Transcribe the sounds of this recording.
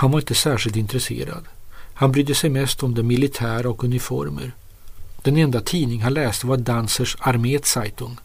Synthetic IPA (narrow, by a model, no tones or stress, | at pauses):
hanvaɾɪnt̪əsæːʂɪlt̪ɪnt̪ɾɛsḛːɾa̰d̪hanbɾyːd̪əsɛjmɛst̪ɔmd̪ɛmɪlɪt̪ʰæːɾaɔkɵnɪfɔ̰ɾmə̰ɾ | d̪̥ɛnɛnd̪at̪ʰiːnɪŋɦanlɛːst̪əvadansəʂaɾmeːt̪sajt̪ɵŋ